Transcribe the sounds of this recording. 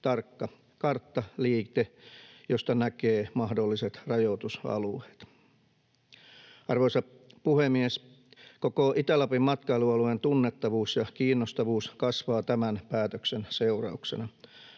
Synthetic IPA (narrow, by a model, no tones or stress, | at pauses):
t̪ɑrkːɑ | kɑrt̪ːɑliːt̪ejost̪ɑnækeːmɑhdolːiset̪rɑjot̪usɑ̰luet̪ | ɑrʋoisɑ | puhemies | kokoʔit̪ælɑpimmɑt̪kɑeluɑluent̪unːet̪ːɑʋuːsjɑkiːnːost̪ɑʋuːskɑsʋɑːt̪æmænpæːt̪øksenseurɑ̰uksḛnɑ